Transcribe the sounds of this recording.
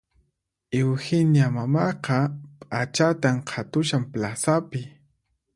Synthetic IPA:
ɪwhɪnjamamɑqɑpʼat͡ʃat̪amqʰɑt̪ʊʃamplasapɪ

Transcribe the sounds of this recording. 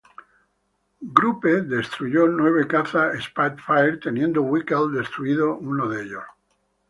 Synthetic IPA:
ɡɾupe̞ðe̞st̪ɾuʝo̞nwe̞β̞e̞kaθaespat̪fajɾt̪e̞nje̞nd̪owikald̪e̞st̪ɾuiðounoðeʎos

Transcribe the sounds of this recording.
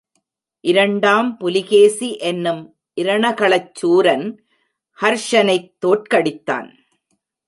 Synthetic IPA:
ʔɪɾɐɳɖaːmpʊlɪɣeːsiʔɛnːɯm | ʔɪɾɐɳɐkɐɭɐt͡ʃːuːɾɐn | hɐɾʂɐnɐɪt̪ːoːʈkɐɽɪt̪ːa̰ːn

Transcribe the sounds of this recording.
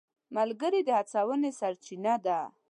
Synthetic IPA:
malɡəɾid̪əhat͡sawənesaɾt͡ʃinad̪a

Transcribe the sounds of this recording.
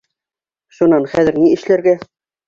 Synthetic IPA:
ʃunɑnχæðɘ̆ɾniɘ̆ʃlæɾɡæ

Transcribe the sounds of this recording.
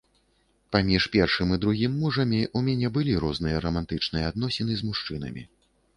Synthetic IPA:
pamʲiʂpʲɛrʂɨmɨd̪ɾuɣʲimːuʐɐmʲiʔumʲanʲɛbɨlʲiɾɔznɨjɐɾɐmant̪ɨt͡ʂnɨjɐad̪n̪ɔsʲɛnɨzʲmuʂt͡ʂɨnɐ̰mʲḭ

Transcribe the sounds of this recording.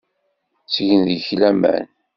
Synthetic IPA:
t͡sʝənðəçlæmæ̰n

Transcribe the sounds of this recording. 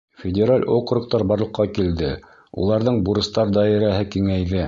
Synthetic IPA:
fʲɪdʲeɾalʲʔoqɾŭq̚t̪ɑɾbɑɾlˠɤ̆qːɑkild̪ɘ̰ | ṵlˠɑɾðɤɴbuɾɤ̆st̪ɑɾd̪ɑɘ̆ɾæɦɘkiŋæjðɘ

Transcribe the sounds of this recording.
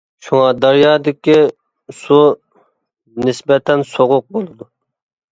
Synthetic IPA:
ʃuŋɑd̪ɑɾjɑːd̪ɪkʲi | su | nɪsbɛt̪ʰɛnsoʁʊq̚bolˠɨd̪u

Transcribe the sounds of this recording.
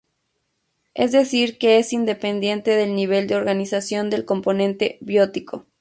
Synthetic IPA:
e̞̰zd̪e̞siɾke̞esind̪e̞pe̞nd̪jẽ̞nt̪e̞ðe̞lniβe̞ld̪eo̞ɾɣanisasjo̞nd̪e̞lko̞mpo̞nẽ̞nt̪e̞βjo̞t̪ikʰo

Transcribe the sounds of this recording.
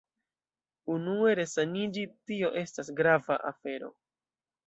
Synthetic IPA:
unue̞ɾe̞sanid͡ʒitio̞ʔe̞stasɡɾava̰ʔafe̞ɾo̞̰

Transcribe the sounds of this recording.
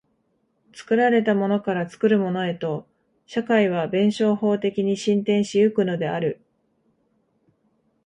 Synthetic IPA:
t͡sɨ̥kɯ̟ɾaɾe̞t̪amo̞no̞kaɾat͡sɨ̥kɯ̟ɾɯ̟mo̞no̞e̞t̪o̞ | ɕakaiβ̞abẽ̞ɰ̃ɕo̞ːho̞ːt̪e̞kʲiɲ̟iɕĩnt̪ẽ̞ɰ̃ɕiɯ̟kɯ̟no̞d̪e̞aɾɯ̟

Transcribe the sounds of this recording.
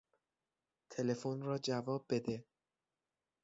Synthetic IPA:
t̪ʰe̞le̞fonrɒːd͡ʒævɒːb̚bːe̞d̪e

